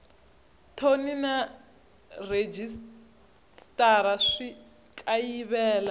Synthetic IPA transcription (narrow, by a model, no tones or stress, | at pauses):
tʰonina | red͡ʒis | tʼaɾaʂi | kʼajiβɛːla